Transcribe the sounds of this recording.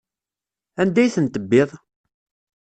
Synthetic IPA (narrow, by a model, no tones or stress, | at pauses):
ænd̪æjθənt̪əbːɪðˤ